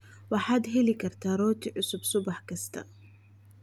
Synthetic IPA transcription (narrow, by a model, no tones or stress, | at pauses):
wɑħaːd̪ɦɛlɪkʰɐrt̪ʰaːɾɔːt̪ʰiʕʊsʊbsʊbɑħkʰɐst̪ʰɐ̰